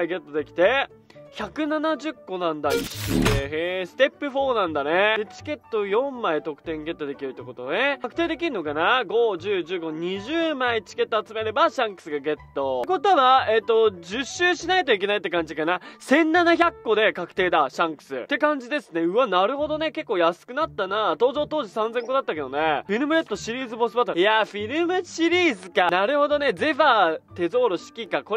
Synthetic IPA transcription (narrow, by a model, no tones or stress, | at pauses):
aiɡe̞t̪ːo̞d̪e̞kʲi̥t̪e̞ | çakɯ̟nanaʑɨkːo̞nãnd̪ajoɕeɦesɨ̥t̪e̞pːɯ̟ɸo̞ːnãnd̪aned̪et͡ɕi̥ke̞t̪ːo̞jõ̞mːait̪o̞kɯ̟̥t̪ẽ̞ŋɡe̞t̪ːo̞d̪e̞kʲiɾɯt̪ːeko̞t̪o̞neakɯ̥t̪eːd̪e̞k̬ʲiɾɯ̟no̞kanaɡo̞ʑɨːʑɨːɡo̞ɲ̟iʑɨːmait͡ɕi̥ke̞t̪ːoat͡sɨmeɾe̞baɕãŋkɯ̟̥sɨɡaɡe̞t̪ːo̞k̬o̞t̪o̞βaet̪ːo̞d͡ʑɨɕːɨːɕinait̪o̞ik̬e̞nait̪ːe̞kãɲ̟d͡ʑikanasẽ̞nːanaçʲakːo̞d̪e̞kakɯ̟̥t̪e̞ːd̪aɕãŋkɯ̟̥sɨ̰t̪ːe̞kãɲ̟d͡ʑid̪e̞sɨne̞ɯ̟βanaɾɯ̟ɦo̞d̪o̞ne̞ke̞kːo̞ːjasɨ̥kɯ̟nat̪ːanat̪o̞ːzoːt̪o̞ːʑisãnd͡zẽ̞ŋko̞d̪at̪ːake̞d̪o̞̰neɸʲiɾɯ̟mɯ̟ɾe̞t̪ːo̞ɕiɾʲiːzɨbo̞sɨbat̪ːajaɸʲiɾɯ̟mɯ̟ɕiɾʲiːzɨkanaɾɯ̟ho̞d̪o̞ne̞d͡ze̞ɸaːt̪e̞zo̞ːɾo̞ɕi̥kʲikako̞